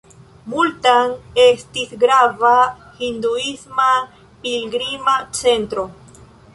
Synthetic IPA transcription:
mult̪aŋest̪isɡɾava | hind̪uisma | pilɡɾimat͡se̞nt̪ɾo̞

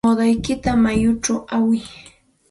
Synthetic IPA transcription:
od̪ajkɪt̪amajʊʈ͡ʂawawɪj

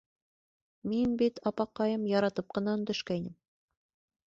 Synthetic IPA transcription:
minbit̪ɑpɑqːɑjɤmjɑɾɑt̪ɤp̚qɤ̆nɑɵ̆nd̪ɵ̆ʃkæjnɘm

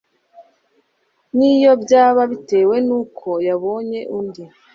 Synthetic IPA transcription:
nijo̞bjaːβaβite̞ːwe̞nuːkʰo̞jaβo̞ːɲe̞ʔundi

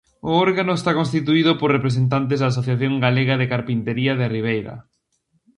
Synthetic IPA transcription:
ʊɔɾɣanʊest̪akons̬t̪it̪̬uiðʊporepɾesent̪̬ant̪̬ezðaːs̬oθjaθjoŋɡaleɣaðekaɾpint̪eɾiɐðɪriβ̞ejɾɐ̰

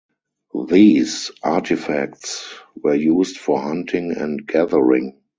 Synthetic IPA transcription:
ðiːsʔatʰɪfæ̰k̚tswɜ˞juːstfɔhãntʰɪ̃ŋɛ̰̃ntɡ̥æðəɹɪ̰̃ŋ

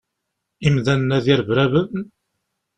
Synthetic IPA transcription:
imðænnːæðiɾvɾævəð

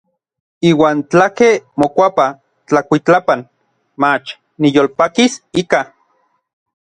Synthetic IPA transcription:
iːwaːnt͡ɬakemokʷapa | t͡ɬakʷit͡ɬapan | mat͡ʃ | nijolpakisika

